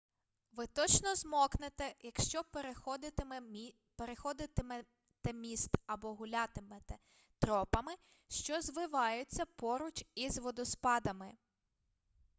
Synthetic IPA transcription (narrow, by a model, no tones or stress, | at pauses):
ʋɪt̪ɔt͡ʃnɔzmɔknɪt̪ɛjɐkʃt͡ʃɔpd̪ | peɾexɔd̪ɪt̪ɪm | t̪ɛmʲist̪ɐbɔɦʊlʲɑt̪ɪmɛt̪ɛ | t̪ɾɔpɐmɪ | ʃt͡ʃɔzʋɪʋɑjʊt͡sʲːɐpɔɾʊt͡ʃizʋɔd̪ɔspɑd̪ɐmɪ